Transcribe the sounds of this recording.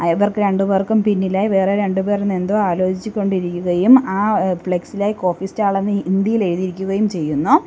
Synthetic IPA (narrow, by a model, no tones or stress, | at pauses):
ɐʋɐrkɨɾe̞ɳɖuʋeːrkumpinːilaːjiʋe̞ːreɾe̞ɳɖube̞ːrnːe̞nd̪oːaːlo̞ːt͡ɕit͡ɕːukʲːo̞ɳɖiɾikʲːuɣɐjumaːfɭeksilaːjiko̞ːfistaːɭenːɨind̪ijile̞ɻuðiɾikʲːuɣɐjumt͡ɕe̞jːunːu